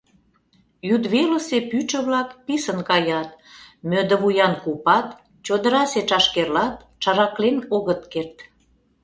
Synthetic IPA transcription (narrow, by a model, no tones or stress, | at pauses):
jyd̪βeləsepyt͡ʃə̆βlɑkpisənkɑjɑt̪̚mød̪ə̆βujɑnkupɑt̪ | t͡ɕod̪əɾɑset͡ʃɑʃkerlɑt̪̚ | t͡ʃɑɾɑklenoɣət̪kert̪